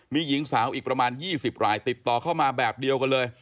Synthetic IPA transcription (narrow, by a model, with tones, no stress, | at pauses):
miː˧ji˩˦ŋsaː˩˦wʔiː˨˩k̚pɾa˧maː˧njiː˥˩si˨˩p̚ɾaː˧jt̪i˨˩t̪ːɔː˨˩kʰa˥˩wmaː˧bɛː˨˩p̚di˧əwka˧nlɤː˧j